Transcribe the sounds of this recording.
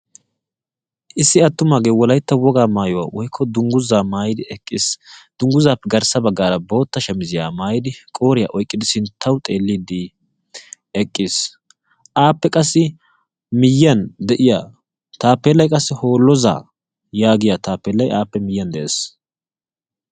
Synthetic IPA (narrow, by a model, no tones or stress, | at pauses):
ʔɪsːɪɐt̪ːʊmaːɡeːwɔlɐjt̪ːɐwɔɡaːmaːjɔwa̰ːwɔjɪkʰːɔd̪ʊŋɡʊzaːmaːjɪd̪ɪɛkʼːɪsd̪̥ʊŋɡʊzaːpːɛɡɐɾsɐbɐɡːaːɾɐbo̞ːt̪ːɐʃɛmɪzɪjaːmaːjɪd̪ɪkʼo̞ːɾɪja̰ːʔɔjkʼːɪd̪ɪsɪnt̪ʰːɐwt̪ʼe̞ːlːid̪ɪ | ɛkʼːɪs | ʔaːpːɛkʼɐsːɪ | mɪjːɐnd̪ɛʔɪja̰ː | t̪aːpːeːlːɐjkʼɐsːɪho̞ːlːɔza̰ː | jaːɡɪjaːt̪aːpːeːlːɐjʔaːpːɛmɪjːɐnd̪ɛʔeːs